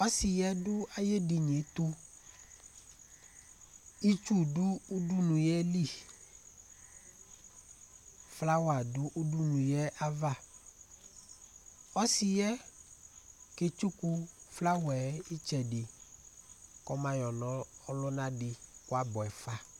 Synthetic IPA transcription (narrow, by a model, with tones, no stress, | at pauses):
ɔ˦sɪ˨jɛ˦dʊ˦a˦je˦dɪ˨ɲe˨˦t̪ʊ˦ | i˦t͡ʃu˦dʊ˦u˦du˦nũ˨jɛ˦li˦˨ | fla˦wa˨dʊ˦ʔu˦du˦nũ˨jɛ˦ʔa˦va˦˨ | ɔ˦sɪ˨jɛ˦ | ke˨t͡ʃu˦ku˦fla˦wɛ˨˦ɪ˦t͡ʃɛ˨dɪ˨ | kɔ˦mã˨jɔ˨nɔ̃˦ɔ˦lʊ˦nã˦dɪ˨kʊ˦a˦bɔ˨ɛ˨fa˦